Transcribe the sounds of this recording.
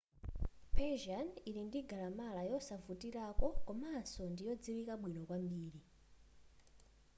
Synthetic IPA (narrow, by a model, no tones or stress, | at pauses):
pʰɛʒaniɾindiɡalamalajɔsavutiɾakɔkɔmansɔndijɔd͡ziwikaɓwinɔkwambiːɾi